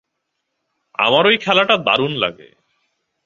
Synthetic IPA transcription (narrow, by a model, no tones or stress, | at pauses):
a̰maɾojkʰɛlaʈad̪a̰ɾunla̰ɡḛ